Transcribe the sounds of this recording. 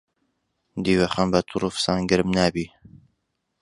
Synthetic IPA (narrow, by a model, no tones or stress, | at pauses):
d̪iːwɛχanbat̪ʰuɾufsaːnɡɨɾmnaːbi